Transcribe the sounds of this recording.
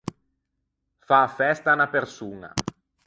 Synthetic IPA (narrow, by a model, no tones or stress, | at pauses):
fafɛst̪anapersuːna̰